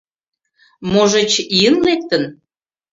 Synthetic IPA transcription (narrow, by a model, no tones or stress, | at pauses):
moʒet͡ɕiənlek̚t̪ən